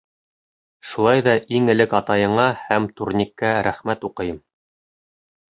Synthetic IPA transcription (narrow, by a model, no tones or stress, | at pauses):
ʃulˠɑjðɑʔiŋɘ̆lɘkɑt̪ɑjɤ̆ɴɑhæmt̪uɾnʲikːæɾæχmæt̪uqɤ̆jɤm